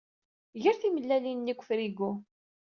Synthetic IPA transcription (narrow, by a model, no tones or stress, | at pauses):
ʝəɾθiməlːælinnːikʷːə̥fɾiɡu